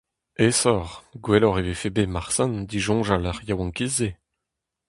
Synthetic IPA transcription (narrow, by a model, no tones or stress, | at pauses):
esɔʁɡwelɔʁevefebemaʁsãnd̪iʒɔ̃ʒalœʁjawɑ̃ŋkize